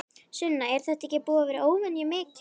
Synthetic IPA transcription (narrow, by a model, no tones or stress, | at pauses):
sʏnːaɛɾ̥θɛht̪aɛ̥cɪpuːavɛɾɪʔoːwvɛnjɛmɪːk